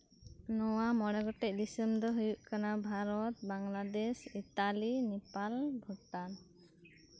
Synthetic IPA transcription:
nɔwamɔɽɛɡɔʈɛc̚ˀd̪isəmd̪ɔɦujuʔkanabʱaɾɔt̪̚baŋlad̪ɛsit̪alinɛpalbʱɔʈan

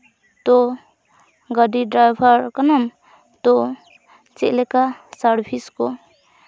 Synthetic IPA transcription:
t̪o | ɡʌɖiɖɾajbʱʌɾkʌnʌm | t̪o | t͡selekasaɾpʰisko

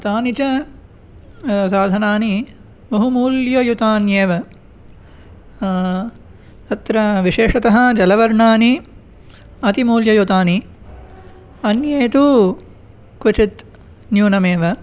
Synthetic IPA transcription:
t̪aːnit͡ʃɐ | saːd̪ʱɐnaːni | mɐɦumuːljɐjut̪aːnjeːʋɐ | t̪ɐt̪ɾɐʋiʂeːʂɐt̪ɐɦɐ̆d͡ʒɐlɐʋɐɾɳaːni | ɐt̪imuːljɐjut̪aːni | ɐnjeːt̪u | kʋut͡ʃit̪ | njuːnɐmeːʋɐ

